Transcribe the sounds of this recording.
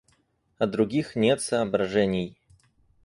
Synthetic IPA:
ɐd̪ɾʊɡʲixnʲet̪sɐːbɾɐʐɛnʲɪj

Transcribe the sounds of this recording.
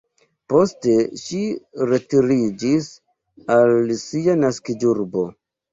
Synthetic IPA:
po̞ste̞ʃiɾe̞tiɾid͡ʒis | alsianaskiduɾbo̞

